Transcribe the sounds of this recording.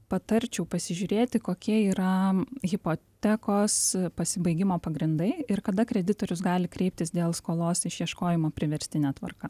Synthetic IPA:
pɐt̪ɐɾʲt͡ʃʲɛʊpɐsʲɪʒʲʊːɾʲeːt̪ʲɪkoːkʲiɛiːɾɐɣʲɪpoːt̪ʲɛkoːspɐsʲɪbɐɪɡʲɪmoːpɐɡɾʲɪnd̪ɐɪɪɾkɐd̪ɐkɾʲɛd̪ʲɪt̪oːɾʲʊsɡɑːlʲɪkɾʲɛɪp̚t̪ʲɪsd̪ʲeːlˠskoːlˠoːsɪʃjiɛʃkoːjɪmoːpʲɾʲɪʋʲɛɾʲsʲt̪ʲɪnʲɛːt̪ʋɐ̰rkɐ

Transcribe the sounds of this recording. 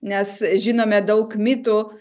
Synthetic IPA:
nʲɛsʒʲɪnoːmʲɛd̪ɐʊkmʲɪt̪u

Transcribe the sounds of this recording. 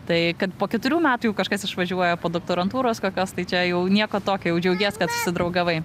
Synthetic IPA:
t̪ɐɪkɐt̪poːkʲɛt̪ʊɾʲuːmʲæːt̪ujɛʊkɐʃkɐsɪʃʋɐʒʲuɔjɛpoːd̪oːk̚t̪oːɾɐnt̪uːɾoːskoːkʲoːst̪ɐɪt͡ʃʲɛjɛʊnʲiɛkoːt̪oːkʲoːjɛʊd͡ʒʲɛʊɡʲeːskɐt̪ʊ̥sʲɪd̪ɾɐʊɡɐʋɐɪ

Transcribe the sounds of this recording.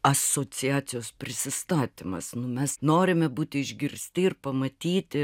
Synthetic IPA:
ɐsoːt͡ssʲɪɑːt͡ssʲɪjoːspʲɾʲɪsʲɪst̪ɑːt̪ʲɪmɐ̰snʊmʲɛsnoːɾʲɪmʲɛbuːt̪ʲɪɪʒʲɡʲɪrʲsʲt̪ʲɪɪrpɐmɐt̪ʲiːt̪ʲɪ

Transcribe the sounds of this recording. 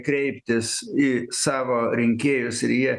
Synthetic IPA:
kɾʲɛɪpʲt̪ʲɪsiːsɑːʋoːɾʲɪŋʲkʲeːjʊsɪɾjiɛ

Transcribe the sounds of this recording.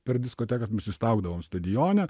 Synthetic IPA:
pʲɛɾdʲɪskoːt̪ʲæːkɐsmʲɛsʲɪst̪ɐʊɡd̪ɐʋoːmst̪ɐd̪ʲɪjoːnʲɛ

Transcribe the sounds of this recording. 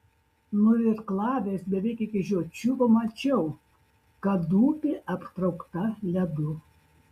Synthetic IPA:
nʊɪɾklˠɑːʋʲeːsbʲɛʋʲɛɪkʲɪkʲɪʒʲoːt͡ʃʲupɐmɐt͡ʃʲɛʊ | kɐd̪uːpʲɪʔɐpʲt̪ɾɐʊkt̪ɐlʲɛd̪ʊ

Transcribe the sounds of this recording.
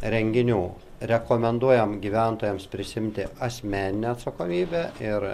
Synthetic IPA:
ɾʲɛŋʲɡʲɪnʲuː | ɾʲɛkoːmʲɛnd̪uɔjɛmɡʲiːʋʲæˑnt̪oːjɛmspʲɾʲɪsʲɪɪmʲt̪ʲɪɐsʲmʲæːnʲɪnʲeːɐt̪sɐkoːmʲiːbʲeːɪɾ

